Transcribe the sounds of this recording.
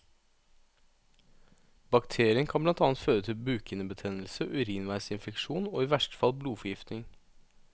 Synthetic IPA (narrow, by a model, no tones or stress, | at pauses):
bɑkt̪ʰeːɾɪənkʰɑnblɑnt̪ɑːnt̪føːɾət̪ʰɪlbʉːkʰənəbət̪ʰɛnəl̩səʔʉɾiːnʋæɪsɪnfɛkʂuːno̰ːiːʋæʂʈə̥fɑlbluːfɔjɪft̪nɪŋ